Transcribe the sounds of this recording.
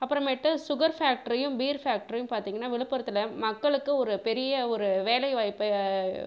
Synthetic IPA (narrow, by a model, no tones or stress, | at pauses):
ɐpːɯɾɐ̃meːʈːɯ̃sʊɣɐɾfaːk̚ʈɐɾɐjɯ̃mbiːɾfaːk̚ʈɐɾɐjɯmpaːɾt̪iːŋɡɐnːaːʋɪɭɯpːɐɾɐt̪ːɯlɐmɐkːɐɭɯkːɯɔɾɯpɛɾɪjɐɔɾɯʋeːlɐɪʋaːjpːɯ